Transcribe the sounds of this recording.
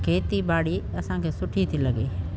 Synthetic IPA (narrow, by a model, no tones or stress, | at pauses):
kʰeːt̪ibaːɽiːɐsãːkʰeːsʊʈʰit̪ʰiləɡeː